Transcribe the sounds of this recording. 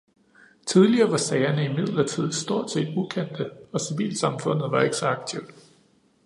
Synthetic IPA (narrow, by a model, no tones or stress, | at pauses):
t͡sʰið̞ˠliɐːʋɑ̈sɛːɪɐnəimið̰ˠl̩ɐt͡sʰið̰̩ˠsd̥o̝ɐ̰d̥se̝̰ːd̥ukʰen̰d̥əɒ̽siʋḭːlsɑ̈mfɔ̽n̰ð̩ˠʋɑ̈e̝ɡ̥ə̥sɒ̽ɑ̈ɡ̥̚t͡sʰiʊ̰d̥